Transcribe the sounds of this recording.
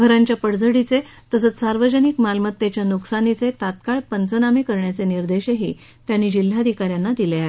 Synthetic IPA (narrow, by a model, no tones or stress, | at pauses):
ɡʱəɾãɲt͡ɕjapəɽd͡zəɽit͡se | t̪əsət͡ssaɾʋəd͡ʑənikmalmət̪ːet͡ɕjanuksanit͡set̪at̪kaɭpənt͡sənamiːkəɾɳjat͡seniɾd̪eɕeɦḭː | t̪janːiːd͡ʑil̤ːad̪ʱikaɾjanːad̪ileaɦe